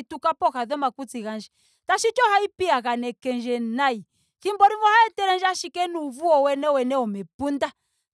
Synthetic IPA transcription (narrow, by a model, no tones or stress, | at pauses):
tukapɔkaðɔmakut͡siɣand͡ʒi | taʃit͡ʃɔhaipiaɣanɛkɛnd͡ʒɛnai | kimbɔɾivɔhaɛtɛɾɛnd͡ʒaʃikɛnuvuɔwɛnɛwɛnɛɔmɛpunda